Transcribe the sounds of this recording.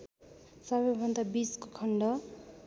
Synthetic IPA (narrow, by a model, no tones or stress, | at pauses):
sʌbʌjbʱʌnd̪abiskokʰʌɳɖʌ